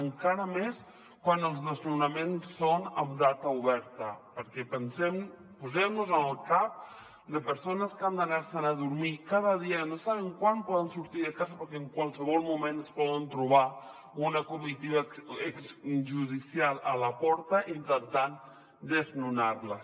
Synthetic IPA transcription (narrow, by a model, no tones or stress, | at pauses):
əŋkaɾəmes | kwanəlˠzðəznunamensːonamd̪at̪auβɛɾt̪ɐpəɾkɛpənsɛm | puzɛmnuzənəlˠkap̚ | d̪əpəɾsonəskand̪anaɾsənaðuɾmikaðəð̞ianosaβəŋkwanpɔðənsuɾt̪iðəkazapəɾkeːŋkwalˠsəβɔlˠmumẽnəspɔðənt̪ɾuβ̞a | unakumit̪iβaeksʒuðisjalalapɔɾt̪aʔint̪ənt̪an | d̪əznunaɾlə